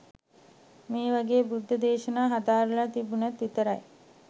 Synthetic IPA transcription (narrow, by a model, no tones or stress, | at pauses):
meːʋaɡeːbud̪ʱːəd̪eːʃənaːɦad̪aːɾulat̪ibunat̪ʋit̪əɾaj